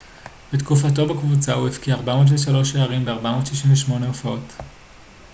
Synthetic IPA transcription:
b̥etkufat̬o̞bekvut͡sauefkiaʁbamo̞ːtveʃalo̞ʃeaʁimbeaʁbamo̞ːtʃiʃinveʃmo̞neofao̞t

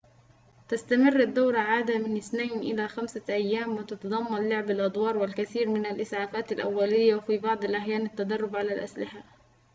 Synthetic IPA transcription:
t̪ast̪amɪrːad̪ːawɾˤɑʕaːd̪amɪnʔɪθnajnʔɪ̰laːxamsaʔajːaːmwɪt̪ɑt̪ɑd̪ˤɑmːɑnlʊʕbalʔɑd̪ˤwɑːɾˤwɪlkaθiːɾmɪnalʔɪsʕaːfaːt̪alʔa̰wːalɪjːawfiːbɑʕd̪ˤɪlʔaħjaːnat̪ːad̪ɑrˤːʊbʕalalʔa̰slɪħa

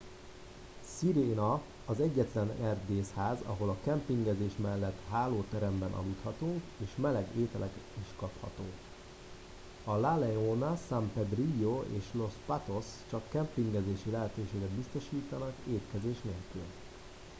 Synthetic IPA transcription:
siɾeːnɒ | ɒzɛɟːɛt̪lɛnɛrd̪eːshaːzɒ̰ɦo̞lɒkɛmpiŋɡɛzeːʃmɛlːɛt̪ɦaːloːt̪ɛɾɛmbɛnʔɒ̰lut̪hɒt̪uŋkeːʃmɛlɛɡeːt̪ɛlʔɛkiʃkɒphɒ̰t̪oː | ɒlalɛonɒsampɛd̪rijoḛːʃlo̞spat̪o̞st͡ʃɒkːɛmpiŋɡɛzeːʃilɛɦɛt̪øːʃeːɡɛd̪bist̪o̞ʃiːt̪ɒnɒkeːt̪kɛzeːʃneːlkyl

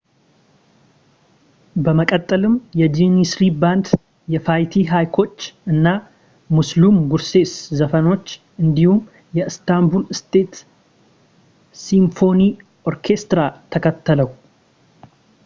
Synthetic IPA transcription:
bəməkʼət̪ʼːəlɨmjɛd͡ʒinisɾiband̪ | jɛfajt̪ʰiɦajkʰo̞t͡ʃːɨnːa | muslumɡuɾse̞szəfəno̞t͡ʃː | ʔɨnd̪ihum | jɛɨst̪ambulɨst̪ʰe̞t̪ | simfo̞ni | o̞ɾkʰe̞st̪ɾat̪ʰəkʰət̪ʰːələw

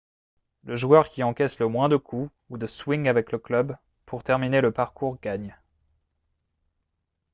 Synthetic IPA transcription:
ləʒuœʁkʲiɑ̃kʲɛsləmwɛ̃d̪əkʰu | ud̪əswiŋavɛkləklœb | pʰuʁt̪ɛʁmineləpaʁkuʁɡaɲ

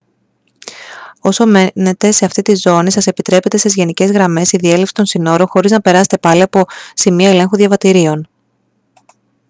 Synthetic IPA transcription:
o̞so̞mene̞t̪e̞se̞ɐft̪it̪izo̞nisɐse̞pit̪ɾe̞pe̞t̪e̞sezʝe̞nice̞zɣɾɐme̞siðie̞lefsi̥t̪o̞nsino̞ɾo̞xo̞ɾiznɐpe̞ɾɐse̥t̪e̞pɐliɐpo̞simiɐe̞le̞ŋxuðʝɐvɐt̪iɾio̞n

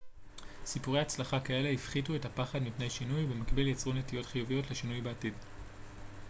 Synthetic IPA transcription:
sipuʁeat͡slaχakae̞le̞ifχituethapaχadmipnejʃinujbe̞makbiljat͡sʁonːetijo̞tχijuvijo̞tleʃinujbeatid

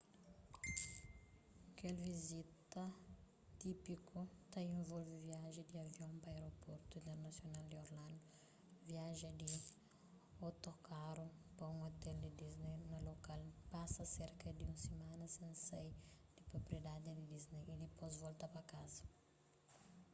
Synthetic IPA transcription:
ɐkelvizit̪ɐ | t̪ipikot̪aĩɱvolvɪviaʒɪd̪iɐvjõmpɐeɾopoɾt̪uĩnt̪eɾnɐsjonald̪ioɾlãnd̪ʊ | viaʒɐd̪i | ot̪okʰaɾopɐũŋot̪eld̪id̪iznejnɐlokalpasɐseɾkɐd̪iũsemãnɐsẽnsejd̪̥ipɾopɾied̪ad̪id̪id̪iznejid̪ipozvolt̪apɐkazɐ̥

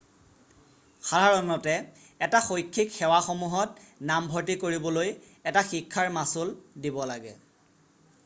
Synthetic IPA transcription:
xadʱaɹɔnɔtɛ | ɛtaxojkʰːikxɛwaxomuɦɔt̚nambʱɔɹtikoɹibɔloj | ɛtaxikʰːaɹmasuldibɔlaɡɛ̰

